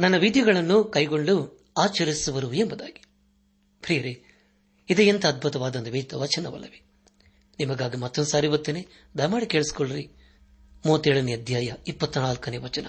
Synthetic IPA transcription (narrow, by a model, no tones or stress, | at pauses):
nɐnːɐʋid̪jɐɡɐɭɐnːukɐjɡoɳɖu | aːt͡ʃɐɾisuʋɐɾuembɐd̪a̰ːɡi̥ | pɾiːɐɾe | id̪ɐjint̪ɐːd̪̚bʱut̪ɐʋaːd̪ɐnd̪ɐʋet̪ɐʋɐt͡ʃɐnɐʋɐ̰lːɐʋe | nimɐɡaːɡimɐt̪ːond̪usaːɾiʋot̪ːine | d̪ɐjmaːɽikeːɭsi̥koɭːɐɾi | muːɐt̪ːeːɭɐniɐd̪ʱjaːjɐipːɐt̪ːunaːlkɐneːʋɐt͡ʃɐnɐ